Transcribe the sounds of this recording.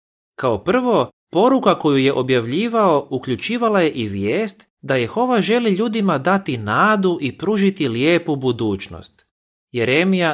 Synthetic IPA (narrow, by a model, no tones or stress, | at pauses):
kaopr̩ʋo̞ | po̞ɾukako̞juje̞ʔo̞bjaʋʎiːʋao̞ukʎut͡ɕiːʋalaje̞ʔiʋjeːst̪ | d̪ajixo̞ʋaʒe̞liʎuːd̪imad̪at̪inaːd̪uʔipɾuʒit̪iljeːpubud̪uːt͡ɕno̰st̪ | jeɾemija